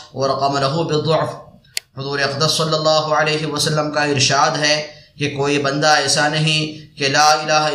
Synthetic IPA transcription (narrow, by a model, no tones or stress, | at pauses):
wɐɾɐqɐmɐlɐɦubɪd̪ˤoʕf | hʊzuːɾeɐqd̪əsːɐlːɐlːaːɦʊɐleːɦewɐsɐlːəmkaɪɾʃaːd̪ɦɛkekoːibɐ̃nd̪aɛːsanɐɦĩkelaːɪlaːɦ